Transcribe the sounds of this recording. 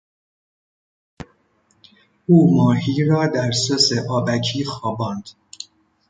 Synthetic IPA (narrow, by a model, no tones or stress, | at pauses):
ʔuːmɒːhiːɾɒːd̪æɾsoseʔɒːbæcʰiːxɒːbɒːnd̪̥